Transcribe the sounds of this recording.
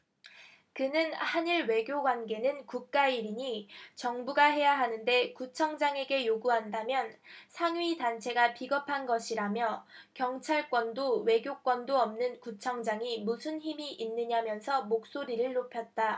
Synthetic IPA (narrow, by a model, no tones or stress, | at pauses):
kɯnɯnhaniɾwe̞ɡjoɡwanɡe̞nɯnkuk̚k͈aiɾiɲit͡ɕʌŋbuɡaɦe̞jaɦanɯnde̞kut͡ɕʰʌŋd͡ʑaŋe̞ɡe̞joɡuɦandamjʌnsʰaŋɥidant͡ɕʰe̞ɡapiɡʌpʰanɡʌɕʰiɾamjʌkjʌŋt͡ɕʰaɭk͈wʌndowe̞ɡjok͈wʌndoʌmnɯnkut͡ɕʰʌŋd͡ʑaŋimusʰɯnçimiʔinːɯɲamjʌnsʰʌmok̚s͈oɾiɾɯɭːopʰjʌt̚t͈a